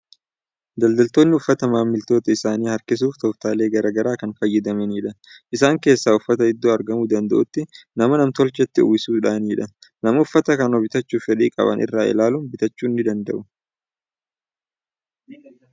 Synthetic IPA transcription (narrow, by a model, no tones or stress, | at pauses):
d̪ɐld̪ɐlt̪o̞ːnːɪʊfːɐt̪ɐmaːmːɪlt̪o̞ːt̪ɐɪsaːniːhɐɾkɪs̬uːft̪ɔft̪aːle̞ːɡɐɾaːɡɐɾaːkɐnfɐjːɪd̪ɐmɛniːᶑɐʔɪsaːŋke̞ːsːaːʊfːɐt̪ɐɪd̪ːuːɐɾɡɐmuːd̪ɐnd̪ɐʔʊt̪ːɪnɐmɐnɐmt̪ɔlt͡ʃɛt̪ːɪuːsuːᶑaːniːᶑɐnɐmɐʊfːɐt̪ɐkɐnɔbɪt̪ɐt͡ʃːuːfɛᶑiːkʼɐ̰bɐ̰nʔɪ̰rːaːʔɪ̰laːluːnbɪt̪ɐt͡ʃːuːnːɪd̪ɐnd̪ɐ̰ʔʊ